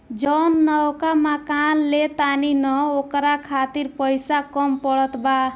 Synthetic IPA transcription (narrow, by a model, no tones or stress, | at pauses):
d͡ʒɔnːɔwkamakanlet̪aninɔokɾakʰat̪iɾpɔjsakɔmpɔɽɔt̪ba